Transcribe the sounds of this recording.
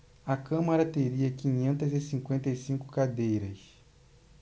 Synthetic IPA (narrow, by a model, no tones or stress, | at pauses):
ɐkɐ̃mɐɾɐt̪eɾiɐkĩɲẽnt̪ɐzɪsĩŋkwẽnt̪ɐjsĩŋkʊ̥kad̪ejɾɐs